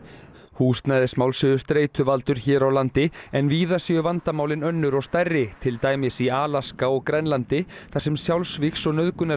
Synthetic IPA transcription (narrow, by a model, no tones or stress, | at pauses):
huːst̪najðɪsmaːwlsʏðʏst̪ɾeːjt̪ʰʏvalt̪ʏɾ̥çɛːɾawlant̪ɪɛnviːðasjɛʏvant̪amaːwlɪnœnːʏɾɔɣst̪arːɪt̪ʰɪlt̪aːjmɪsiaːlaskaɔɣkɾɛnlant̪ɪθarsɛmsjawlsvixsɔɣnœðkʏna